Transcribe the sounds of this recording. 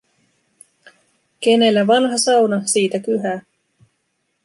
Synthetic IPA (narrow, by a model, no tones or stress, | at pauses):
k̟e̞ne̞lːæʋɑnɦɑsɑwnɑsiːt̪ækyɦæː